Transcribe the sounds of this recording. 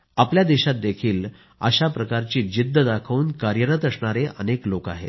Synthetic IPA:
apljad̪eɕat̪̚d̪ekʰiːl | ə̰ɕapɾəkaɾt͡ɕiːd͡ʑid̪ʱːəd̪akʰauːnkaɾjəɾət̪əsɳaɾeʔə̰nekloka̰ɦḛ

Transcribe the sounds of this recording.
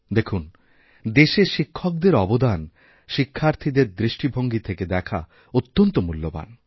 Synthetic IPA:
d̪ekʰun | d̪eʃeʃikʰːɔk̚d̪eɾɔbod̪an | ʃikʰːaɾt̪ʰid̪eɾd̪ɾiʃʈibʱoŋɡit̪ʰeked̪ɛkʰa̰ | ot̪ːont̪omulːoba̰n

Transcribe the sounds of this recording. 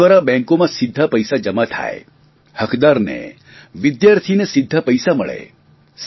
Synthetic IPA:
ʋaɾabɛ̃ŋkomãsɪd̪ʱːapəjsad͡ʒəmat̪ʰa̰ḛ | həkd̪aɾnḛ | ʋɪd̪jaɾt̪ʰinesɪd̪ʱːapəjsaməɭḛ | s

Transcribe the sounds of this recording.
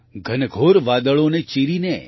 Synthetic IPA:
ɡʱənɡʱoːɾʋaːd̪əɭõnet͡ʃiɾine

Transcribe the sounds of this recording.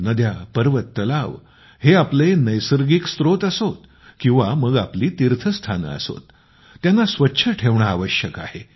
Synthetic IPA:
nəd̪japəɾʋət̪ːəlaʋ | heaplenəjsəɾɡikst̪ɾot̪əsot̪̚ | kĩw̃ʋaməɡapliːt̪iɾt̪ʰəst̪ʰanə̰so̰t̪ː | janːasʋətːɕʰəʈʰeʋɳaːʋəɕjəka̰he

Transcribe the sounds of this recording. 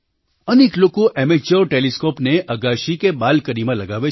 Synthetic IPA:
ɐneːkloːkoʔɛːmed͡ʒɔːɾʈeːliskoːpneʔɐɡaːʃikebaːlkəɾimãlɐɡaːʋe

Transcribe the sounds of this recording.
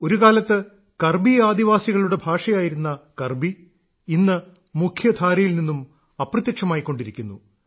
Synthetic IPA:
o̞ɾukaːlɐt̪ːɨ | kɐrbiaːd̪iʋaːsiɣɐɭuɽe̞bʱaːʂɐjaːjiɾunːɐkɐrbi | inːɨ | mukʰjɐd̪ʱaːɾɐjilninːum | ɐprɐt̪jɐkʂɐmaːjikːo̞ɳɖiɾikʲːunːṵ

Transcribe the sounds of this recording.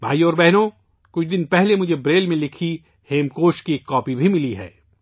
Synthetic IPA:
bʱaːiɔːɾbɛɦno | kʊt͡ʃʰd̪ɪnpɛɦlemʊd͡ʒʱebɾeːlmẽlɪkʰi | heːmkoːʃkikːɔːpibʱimɪliɦɛ̰ː

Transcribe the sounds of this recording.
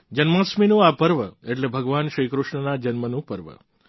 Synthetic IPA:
d͡ʒənmãsminũapəɾʋəeʈlebʱəɡʋanʃəjkɾʊʃɳənad͡ʒənmənũpəɾʋə̰

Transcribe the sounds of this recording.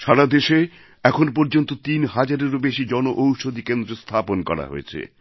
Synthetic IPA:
ʃaɾad̪eʃe | ɛkʰonpoɾd͡ʑont̪ot̪inɦad͡ʑaɾeɾobeʃid͡ʑɔnoʔowʃod̪ʱikend̪ɾost̪ʰaponkɔ̰ɾa̰ɦo̰et͡ɕʰḛ

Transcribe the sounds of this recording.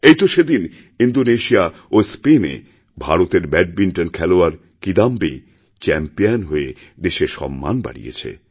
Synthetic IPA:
ejt̪oʃed̪in | ind̪oneʃiaospenḛ | bʱaɾot̪eɾbɛɖ̚biɳʈonkʰɛloaɾ | kid̪ambḭ | t͡ɕɛmpijanɦoe | d̪eʃeʃɔ̰mːa̰nba̰ɽḭjḛt͡ɕʰḛ

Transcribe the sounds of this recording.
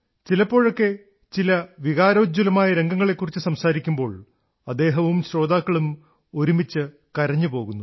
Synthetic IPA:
t͡ɕilɐpːo̞ːɻo̞kːe̞ | t͡ɕilɐʋiɣaːɾoːd͡ʑulɐmaːjɐɾe̞ŋɡɐŋːɐɭe̞kːurit͡ɕːɨsɐmsaːɾikʲːumbo̞ːɭ | ɐd̪ːe̞ːɦɐʋumɕɾo̞ːd̪aːkːɐɭum | o̞ɾumit͡ɕːɨ | kɐɾɐɲːupo̞ːɣunːu

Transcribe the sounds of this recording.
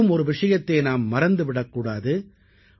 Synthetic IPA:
ɯmɔɾɯʋɪʂɐjɐt̪ːeːnaːmːɐɾɐnd̪ɯʋɪɽɐkːuːɽaːðɯ

